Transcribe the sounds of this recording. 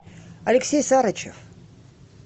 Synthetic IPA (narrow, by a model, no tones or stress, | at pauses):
ɐlʲɪksʲejsaɾɐt͡ɕḛf